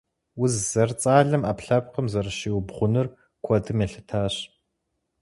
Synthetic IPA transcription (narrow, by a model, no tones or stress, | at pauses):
wʊzzɐrt͡sʼaːɮɐmaːpɬɐp̚qəmzɐrɨʃiːwbʁʷʊnɨr | kʷʰɔdʰɨmeɬɨtʰaːɕ